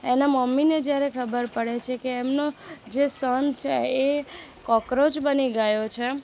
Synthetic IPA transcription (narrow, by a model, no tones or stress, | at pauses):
enaməmːined͡ʒjaɾekʰəbəɾpəɽet͡ʃʰekeːmnod͡ʒesənt͡ʃʰḛe | kɔkɾod͡ʒbəniɡajot͡ʃʰe